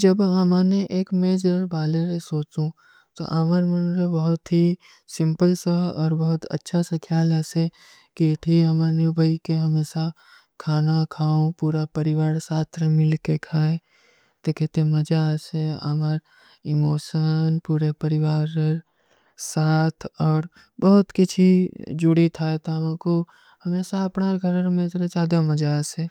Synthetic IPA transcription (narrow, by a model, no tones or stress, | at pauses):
d͡ʒɐbɦɐmaːneʔeːkmeːd͡ʒəɾbaːleɾesoːt͡ʃũ | t̪o̰ʔamaɾmɐnɾebɐɦʊt̪ɦi | sɪ̃mpəlsaɔːɾbɐɦʊt̪ɐ̰tːʃʰasɐ̃kʰjaːlase | keʈʰiɦɐmaːnebʱɐikeɦɐmeːsa | kʰaːnakʰaːõpuːɾapɐɾɪʋaːɾsaːt̪ʰɾəmɪlkekʰaːe | d̪̥eːkʰet̪eməd͡ʒaːseə̰məɾ | ɪmoːʃənpuːɾepəɾɪʋaːɾɾ | saːt̪ʰɔːɾ | bɔɦʊt̪kɪt͡ʃʰid͡ʒʊɽit̪ʰaet̪amãko | hɐmeːsaɐpnaɡʱəɾɾmẽt̪ɾet͡ʃaːd̪aməd͡ʒaːse